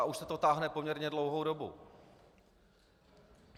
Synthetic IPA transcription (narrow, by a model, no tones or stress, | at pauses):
aʔuʃsɛt̪o̞t̪aːɦnɛpo̞mɲɛɾɲɛdlowɦo̞wdo̞bṵ